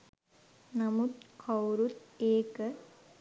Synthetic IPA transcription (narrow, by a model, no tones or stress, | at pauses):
nɐmut̪kʰɐwɾut̪eːkɨ